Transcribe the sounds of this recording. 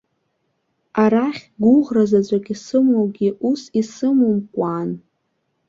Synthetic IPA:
aɾaχʲɡʷʊʁrazat͡ɕʷʼaɡʲisɨmowɡʲiʔusisɨmɨmkʷʼan

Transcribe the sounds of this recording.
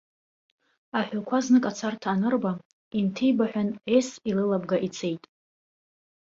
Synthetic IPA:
aħʷᶣalkʷʰaznɨkʼat͡sʰartʰaːnɨrba | intʰejbaħʷᶣanesilɨlab̚ɡaʔit͡sʰe̞jtʼ

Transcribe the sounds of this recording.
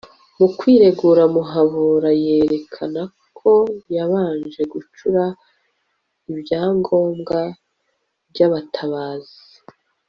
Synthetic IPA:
mukwiːɾe̞ɡuːɾamuɦaβuɾaje̞ːɾe̞kʰanakʰo̞jaβaːnd͡ʒe̞ɡut͡ʃuɾa | ibjaːŋɡo̞ːmɡa | bɟaβatʰaβaːz̥i̥

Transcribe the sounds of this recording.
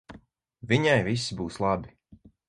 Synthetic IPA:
viɲajvisibuːslˠabi

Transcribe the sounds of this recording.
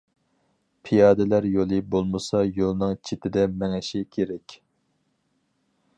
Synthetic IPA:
pʰijɑːd̪ɛlæɾjolˠɨbolˠmɨsɑjolˠnɨŋt͡ʃʰet̪ʰɪd̪ɛmɛŋɛʃikʲʰeɾɛkʲ

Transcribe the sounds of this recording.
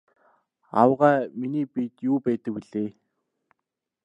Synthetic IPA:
a̰wʁæːminiːpit̪juːpæːt̪ə̆k̚wiɮeː

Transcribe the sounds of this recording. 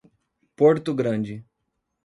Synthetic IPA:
poɾt̪ʊɡɾɐ̃d͡ʒɪ

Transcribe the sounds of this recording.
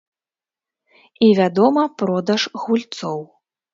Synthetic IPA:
ivʲad̪ɔmɐpɾɔd̪ɐʂɣulʲt̪sɔw

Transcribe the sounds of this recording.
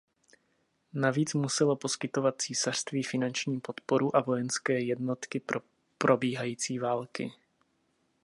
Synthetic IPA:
naviːt͡smusɛlo̞po̞skɪt̪o̞vat̪̚t͡siːsar̥st̪viːfɪnant͡ʃɲiːpo̞t̪po̞ɾuʔavo̞jɛnskɛːjɛdno̞t̪kɪ | pɾo̞biːɦajiːt͡siːvaːlkɪ̰

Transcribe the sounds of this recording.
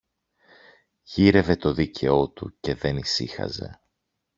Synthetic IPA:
ʝiɾe̞ve̞t̪o̞ðicʰe̞o̞t̪ṵce̞ðe̞nisḭxɐ̰ze̞̰

